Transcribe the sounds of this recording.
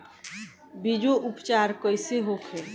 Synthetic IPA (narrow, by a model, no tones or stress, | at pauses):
bid͡ʒoʔupt͡ʃaɾkɔjseɦokʰe